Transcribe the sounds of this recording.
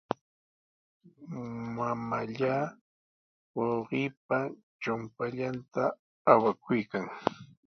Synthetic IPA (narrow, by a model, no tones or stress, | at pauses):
mamaʎaː | woɢɪːp̚a | t͡ʃʊmpaʎant̪aː | wakʊjkaŋ